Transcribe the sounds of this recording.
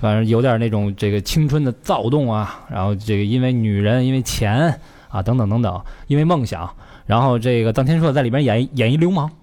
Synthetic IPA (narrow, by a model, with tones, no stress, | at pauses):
fa˨˩n̩˧˥jo˧˥ʊt̪jə˨˩na˥˩ʈ͡ʂʊ˨˩ŋʈ͡ʂe˥˩ɡə˩t͡ɕʰi˥ŋʈ͡ʂʰwə˥nd̪ə˨t͡sɑ˥˧ʊt̪ʊ˥˩ŋɐ˩ɻa˧˥nxo˥˧ʊʈ͡ʂe˥˩ɡə˩i˥nwe˥˧˩ɪny˨˩ɻə˧˥ni˥nwe˥˩ɪt͡ɕʰjɛ˧˥n | ɐ̰˧t̪ɤ˧˥ŋt̪ɤ˨˩ŋt̪ɤ˧˥ŋt̪ɤ˨˩˦ŋi˥nwe˥˧ɪmɤ˥˩ŋɕjɑ̰˨˩˦ŋ | ɻa˧˥nxo˥˧ʊʈ͡ʂe˥˩ɪɡə˩t̪ɑ˥ŋt̪ʰjɛ˥nʂwɔ˥˧ə˧t͡si˨˩˧jɛ˨˩n˥jɛ˨˩ni˧˥ljo˧˥ʊmɑ˧˥ŋ